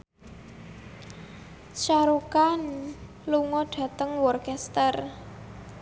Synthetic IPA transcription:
ʃaɾukan | luŋɔɖ̥ä̤t̪əŋwɔrkɛst̪ər

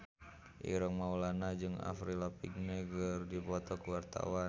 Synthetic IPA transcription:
ʔḭɾɔŋmaulanad͡ʒɨŋa̰fɾilapiɡnɛɡərdibɔt̪ɔkəwart̪a̰wa

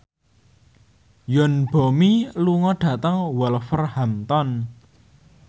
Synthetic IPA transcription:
jɔnb̥o̤miluŋɔɖ̥a̤t̪əŋwɔlfərhamt̪ɔn

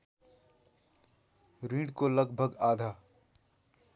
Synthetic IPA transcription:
ɾĩːɖkoləɡ̚bʱəɡaːd̪ʱaː

